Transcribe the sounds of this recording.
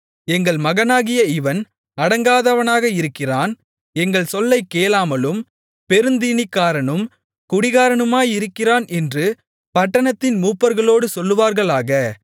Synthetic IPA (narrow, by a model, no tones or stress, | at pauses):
ɛŋɡɐɭmɐɣɐnaːɣɪjɐɪʋɐn | ɐɽɐŋɡaːðɐʋɐnaːɣɐɪɾɯkːɪraːn | ɛŋɡɐɭsɔlːɐɪkːeːlaːmɐlɯm | pɛɾɯnd̪iːnɪkːaːɾɐɳɯm | kʊɽɪɣaːɾɐɳɯmaːjɪɾɯkːɪraːnʔɛndrɯ | pɐʈːɐɳɐt̪ːɪnmuːpːɐɾɣɐɭoːɽɯsɔlːɯʋaːɾɣɐɭaːɣɐ